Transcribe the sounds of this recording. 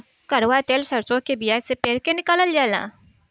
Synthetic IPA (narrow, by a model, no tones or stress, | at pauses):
kɐɾʋat̪eːlsɐɾsõkebijasepeːɽkenɪkələld͡ʒaːlã̰ː